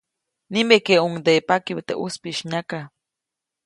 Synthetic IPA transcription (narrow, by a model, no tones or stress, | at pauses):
nimbekeuŋd̪epakiwt̪eʔuspiʃɲaka